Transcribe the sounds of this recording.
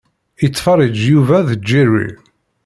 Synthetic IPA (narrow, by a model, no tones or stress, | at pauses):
it͡sːfɑɾˤəd͡ʒjuvæðəd͡ʒːirḭ